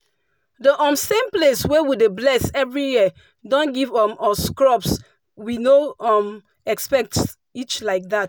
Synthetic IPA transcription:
dəʔɔ̃msẽmpleswɛwideblɛsɛvɹiji | dɔ̃nɡivɔ̃mɔskɹɔps | winoɔm | ɛkspɛk̚t | it͡ʃlaɪk̚dat

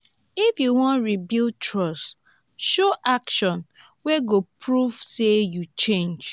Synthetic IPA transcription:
ifjuwɔ̃ntɹibiltʰɹɔst | ʃoʔakʃɔ̃n | wɛɡopɹuv̥sejut͡ʃẽnd͡ʒ

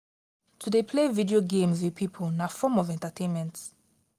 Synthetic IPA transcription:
tʰudepʰlevidioɡẽmzwi̥pʰipʰlnafɔmɔvɛ̃ntatʰẽnmɛ̃nt

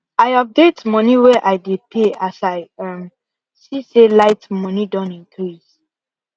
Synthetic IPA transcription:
aɪɔp̚detmɔniwɛʔaɪjdepʰeasaɪɛm | siselaɪtmɔnidɔ̃nĩŋkɹis

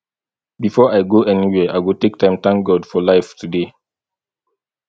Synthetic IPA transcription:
bifɔaɪɡoʔɛniwɛaɪwiltek̚tʰãɪ̃mt̪ãŋk̚ɡɔdfɔlaɪftʰude

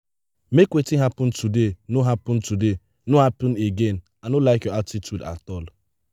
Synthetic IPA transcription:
mekʷetiɦapʊn̩tudenoɦapʊn̩tude | noɦapʊ̃n̩eɡen̩ | anolaɪkjɔatitʰjuda̰tɔl

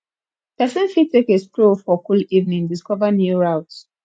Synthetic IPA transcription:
pɛsɛ̃nfitʰːekeskɹofɔkulivnĩŋdiskɔvənjuɹaʊt

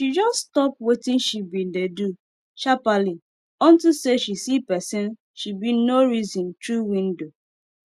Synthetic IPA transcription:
ʃid͡ʒɔststɔp̚wetĩnʃibidedu | ʃapali | ɔ̃ntiseʃisipɛsĩn | ʃibinoɾizɔ̃ntɹuwĩndo

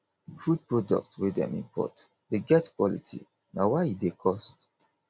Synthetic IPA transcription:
fud̚pɹɔdɔ̰k̚twidɛ̰̃mḭ̃mpʰɔ̰t | deɡɛtkwɔlḭtʰḭ | nawaidekʰɔst

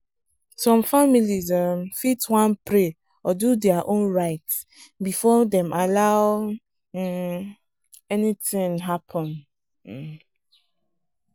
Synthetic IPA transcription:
sɔ̃mfamilizɔmfitwãnpɹe | ɔdudɛaʔõnɹaɪts | bifɔdɛ̃malaʊ | ɛnitĩŋɦapʰɔ̃n̩

